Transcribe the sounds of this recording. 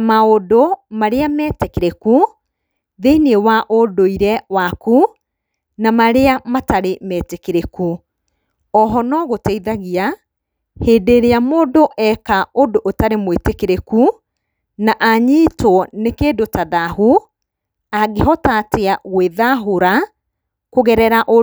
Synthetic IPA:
maodomaɾeamɛtekeɾeku | ðeniewaʔodoiɾɛwaku | namaɾeamataɾemɛːtekeɾeku | ɔɦɔnɔɣotɛiðaɣia | heːdeɾeamoːdoʔɛkaodoʔːtaɾemwetekeɾeku | naʔaɲiːtwɔnekeːdotaðahu | aɡeɦɔtaːteaɣweðaɦoɾa | koɣɛɾɛɾaʔo

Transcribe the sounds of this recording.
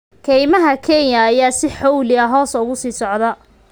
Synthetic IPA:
kʰɛjmɐɦɐkʰɛnjɐːjaːsɪħɔwlɪɐɦɔːsɐʊɣʊsiːsɔʕðɐ

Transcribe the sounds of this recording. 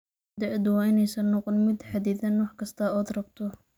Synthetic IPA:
d̪ɐʔd̪ʊwɑːɪnɛjsɐnːɔqɔnmɪd̪ħɑd̪iːθɐnwɑħkʰɐst̪ʰɐɔːd̪rɐbt̪ʰɔ

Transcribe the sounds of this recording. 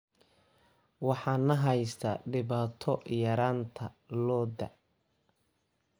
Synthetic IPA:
wɑħɑːnːɐɦɛjst̪ʰɐɖɪβaːt̪ʰɔjɐɾaːnt̪ʰɐlɔːd̪ɐ̰

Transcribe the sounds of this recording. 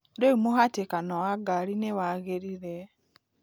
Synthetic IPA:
deumoɦatekanɔwaɡaɾinewaɣeɾiɾɛ

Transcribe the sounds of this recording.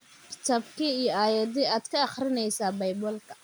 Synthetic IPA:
kʰɪ̥t̪ʰɐbkʰiːijɔaːjɐd̪iaːd̪̥kʰɐːχrɪnɛjsaːbɐjbɔːlkʰɐ̥

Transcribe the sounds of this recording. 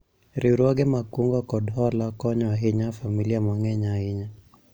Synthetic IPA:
ɾiuɾɔɡɛmakuŋɡɔkɔdɔlakɔɲɔaɦiɲafamiliamwaŋɡɛɲahiɲa

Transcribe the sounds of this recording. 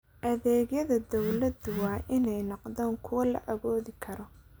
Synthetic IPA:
ʔɐðɛːɡjɐðɐd̪ɔwlɐd̪ʊwɑːʔɪnɛjnɑqd̪aːŋkʰʊwɐlɐ̰ʔɐɣɔːðɪkʰɐɾɔ

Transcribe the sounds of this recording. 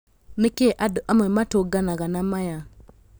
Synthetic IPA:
nikeʔaduʔamematoɡanaɡanamaja

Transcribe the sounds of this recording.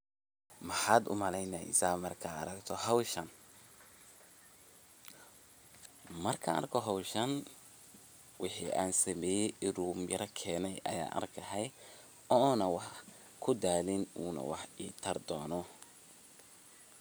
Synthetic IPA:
mɐħaːd̪ʊ̰mɐlɛjnaːʔɪ̰saːmɐrkʰa̰ːɾɐɡt̪ʰɔɦɐwʃɐn | mɐrkʰɐɐ̰ɾkʰɔɦɐwʃɐn | wʔɪħiʔaːnsɐmɛːjɛʔɪɾuːmjɐɾɐkʰɛːnɛjʔɐ̰ja̰ːʔɐ̰rkʰɐɦɛj | ɔːnɐwɑħ | kʰʊd̪aːlɪnuːnɐ̰wɑħiːt̪ʰɐrd̪ɔːnɔ

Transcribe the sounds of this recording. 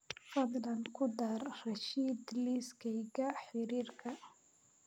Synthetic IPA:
fɐd̪lɐnkʰʊd̪arrɐʃiːd̪liskʰɛjɣɐħɪɾiːrkʰɐ

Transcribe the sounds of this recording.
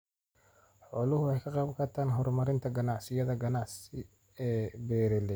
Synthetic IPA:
ħɔːlʊɦʊɛjkʰɐqɑːbkʰɐrt̪ʰaːnɦɔrmɐɾɪnt̪ʰɐɡɐnɑʕsɪjɐðɐɡɐnɑʕsɪ | ɛːbɛːɾɛlɛ

